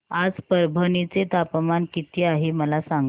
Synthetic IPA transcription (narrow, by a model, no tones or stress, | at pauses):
ad͡zpəɾbʱənit͡set̪apəmankit̪iːaɦeməlasaŋɡ